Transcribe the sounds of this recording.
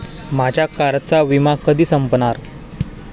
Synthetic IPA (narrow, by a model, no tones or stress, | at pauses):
mad͡ʑjakaɾtt͡saʋimakəd̪iːsəmpnaɾ